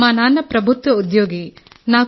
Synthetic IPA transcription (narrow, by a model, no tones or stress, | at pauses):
maːnaːnɐpɾɐbʱut̪ʋɐud̪joːɡi | naː